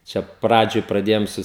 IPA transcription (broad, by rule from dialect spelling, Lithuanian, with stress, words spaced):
t͡ʃʲɛ ˈprɑːd͡ʒʲoːj prɐˈdʲeːjoːm ˈsʊ